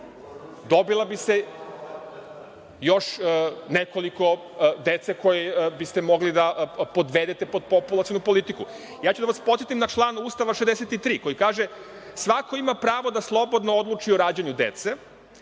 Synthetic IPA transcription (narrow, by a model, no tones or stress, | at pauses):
d̪o̞bilˠabise | jo̞ʃneko̞liko̞ | d̪et̪seko̞jebist̪emo̞ɡlid̪apo̞d̪ʋeːd̪et̪e̞po̞d̪̚populˠat̪ionupo̞lit̪iku | jaːt͡ɕud̪aʋaspo̞t̪et̪imnat͡ʃlˠaːnuːst̪aʋaʃezd̪eset̪it̪ɾiːko̞jikaːʒe | sʋako̞imapɾaːʋo̞d̪aslˠo̞bo̞d̪nood̪lˠuːt͡ʃioɾaːd͡ʑeɲud̪ḛt̪se